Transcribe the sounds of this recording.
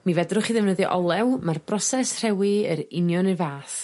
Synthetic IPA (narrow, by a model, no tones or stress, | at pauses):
mivɛdrʊχiðɛvnəðiʔɔlˠɛwmarbrɔsɛsr̥ɛwiəɾɪnjɔnɨvaːθ